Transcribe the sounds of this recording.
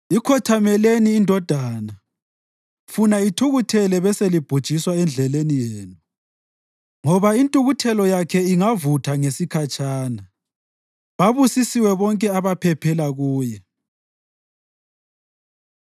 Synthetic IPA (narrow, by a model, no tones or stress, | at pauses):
ikʰɔtʰamɛleniːndʱɔd̥ʱaːna | funaitʰuɣutʰɛlɛβɛselib̥ʱud̥ʒ̥ʱiswaɛnd͡ɮʱɛlenijeːnu | ŋɔβaintʼuɣutʰɛlɔjakʰɛiŋavutʰaŋesikʰat͡ʃʼaːna | βaβusisiwɛβɔŋkʼɛaβapʰɛpʰɛlaɣuːjɛ